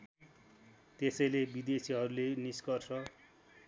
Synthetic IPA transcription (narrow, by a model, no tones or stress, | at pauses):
t̪esʌjlebid̪esiɦʌɾuleniskʌrsʰʌ